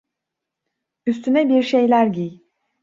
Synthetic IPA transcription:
yst̪ʰynɛbiɾʃe̞jlʲæɾɟij

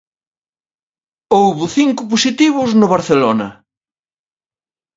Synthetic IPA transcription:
owβʊθiŋkʊposit̪iβʊznʊβɐɾθelonɐ̰

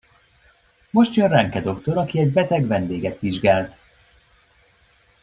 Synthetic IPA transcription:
mo̞ʃt̪jønrɛŋkɛd̪o̞kt̪o̞ɾɒkiɛɟbɛt̪ɛɡvɛnd̪eːɡɛt̪ʋiʒɡaːlt̪

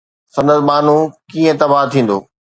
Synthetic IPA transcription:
sɐ̃nd̪əzmaːn̤ũkiːə̃t̪ɐbaːɦt̪ʰĩːn̆d̪o̰ː

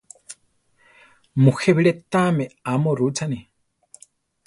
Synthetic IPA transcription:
muxeβiɺet̪amɛamoɾut͡sʰani

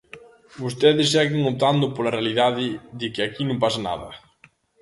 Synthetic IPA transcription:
bost̪ɛðɪsːɛɣɪŋop̚t̪and̪ʊpolɐrealiðaðɪðɪkɪakinũmpasɐna̰ðɐ̰

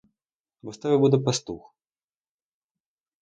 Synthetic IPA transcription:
bɔst̪avʲɛbud̪ɛpɐst̪ux

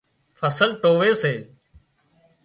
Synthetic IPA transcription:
fʰəsəlʈoːʋeːseː

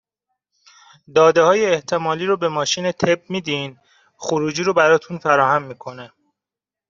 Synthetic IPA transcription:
d̪ɒːd̪ehɒːjeːht̪ʰe̞mɒːliːɾobe̞mɒːʃiːne̞t̪ʰeb̚miːd̪in | xoɾuːd͡ʒiːɾobæɾɒːt̪ʰunfæɾɒːhæmːiːkʰo̞ne

